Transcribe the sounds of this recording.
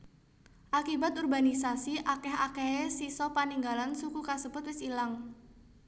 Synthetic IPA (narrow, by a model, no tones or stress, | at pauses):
ʔakibat̪urbanisasiʔakɛɦa̰keesisɔpaniŋɡalansukukasəbʊt̪wɪsilaŋ